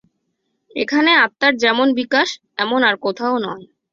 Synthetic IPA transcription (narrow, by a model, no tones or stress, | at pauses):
ḛkʰaneat̪ːaɾd͡ʑɛmonbikaʃ | ɛmonaɾkot̪ʰaonɔe